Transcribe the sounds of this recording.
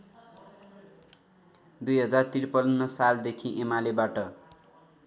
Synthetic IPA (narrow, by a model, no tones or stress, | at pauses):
d̪ujɦʌd͡zart̪irpʌlnːʌsald̪ekʰĩʔemalebaʈʌ